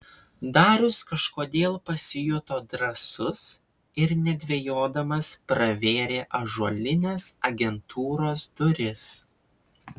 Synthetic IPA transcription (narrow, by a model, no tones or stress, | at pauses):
d̪ɑːɾʲʊskɐʃkoːd̪ʲeːlˠpɐsʲɪjʊt̪oːd̪ɾɐsʊs | ɪɾnʲɛd̪ʲʋʲejoːd̪ɐmɐspɾɐʋʲeːɾʲeːʔɐʒuɔlʲɪnʲeːsɐɡʲɛnt̪ʰuːɾoːsd̪ʊɾʲɪs